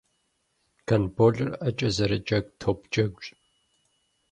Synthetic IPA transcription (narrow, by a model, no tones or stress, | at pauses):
kʰɐnboːɮɐrɐt͡ʃʼɐzɐɾɐd͡ʒʼɐɡ̚ʷtʰoːp̚ʰt͡ʃʼɐɡʷt͡ʃ